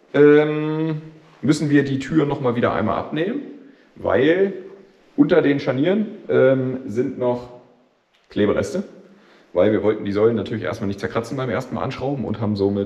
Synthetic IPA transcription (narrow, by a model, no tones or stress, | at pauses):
ʔɛːm | mʏsn̩viːɐdiːtʰyːɐʁnɔχmaːlviːɾɐ̰ʔa̰ɪnma̰ːlʔa̰pneːmən | va̰ɪl | ʔʊntɐdeːnʃaniːʁənʔɛːmzɪntnɔχ | kʰl̥eːbəʁɛ̰stə | vaɪlviːɐvɔltn̩diːzɔlənːatʰyɐlɪçʔḛːstmaːlnɪçtt͡sɛɐkʁ̥at͡sn̩baɪmʔḛːɐstn̩ma̰lʔa̰nʃʁ̥aʊbm̩ʔʊ̰nthaːbm̩zoːmɪt